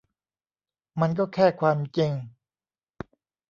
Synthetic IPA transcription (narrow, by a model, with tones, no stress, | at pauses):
ma˧nk̬ɔː˥˩kʰɛː˥˩kʰwaː˧mt͡ɕi˧ŋ